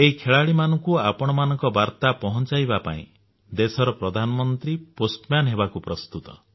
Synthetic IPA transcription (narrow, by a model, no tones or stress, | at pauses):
eɦikʰeɭaɭimanɔŋkuapɔɽ̃ɔmanɔŋkɔbaɾt̪apɔɦɔnt͡ʃajbapa̰ḭ̃ | d̪esɔɾɔpɾɔd̪ʱanɔmɔnt̪ɾiposʈmjanɦebakupɾɔst̪ut̪ɔ